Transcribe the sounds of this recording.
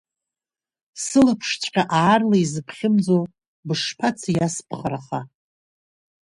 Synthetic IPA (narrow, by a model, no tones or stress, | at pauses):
sɨlapʰʂt͡ʃʷʼqʲʼaʔaːrlaizɨpʰχʲɪmd͡zow | bɨʂpʰat͡sʰajaspʰχaɾaχa